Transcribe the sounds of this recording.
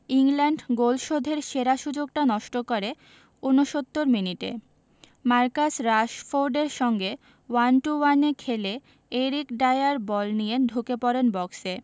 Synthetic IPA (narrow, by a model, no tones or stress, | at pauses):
iŋlaɳɖɡolʃod̪ʱeɾʃeɾaʃud͡ʑoɡ̚ʈanɔʃʈokoɾe | unoʃot̪ːoɾminiʈḛ | maɾkasɾaʃfoɾɖeɾʃɔŋɡe | wanʈuwanekʰele | eɾikɖajaɾbɔlnijenɖʱukepɔɾenbɔkse